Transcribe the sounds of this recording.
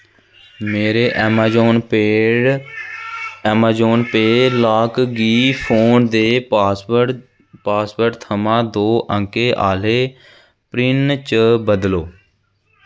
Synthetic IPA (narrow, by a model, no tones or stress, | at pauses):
meːɾeːʔɛmaːd͡ʒoːne | ɛːmaːd͡ʒoːnpeːlaːkɡiːpʰoːnd̪eː | paːspəɾʈt̪ʰəmãːd̪oːʔəŋkeːʔaːleː | pɾɪnt͡ʃəbəd̪loː